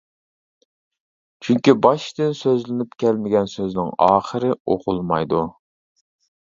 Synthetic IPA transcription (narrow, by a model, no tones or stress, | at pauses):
t͡ʃʰyŋkʲibɑʃd̪ɪnsøzlɪnypkʲɛlmɪɡʲɛnsøznɪŋɑːχəɾɪoqʰʊlˠmɑ̰jd̪u